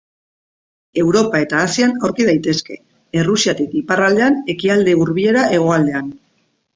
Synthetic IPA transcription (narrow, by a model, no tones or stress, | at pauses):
e̞wɾo̞pae̞t̪aːsianawɾkið̞ajt̪e̞ske̞̰ | erusiat̪ikiparald̪e̞ane̞kiald̪e̞uɾβie̞ɾaʔe̞ɣ̞o̞ald̪e̞an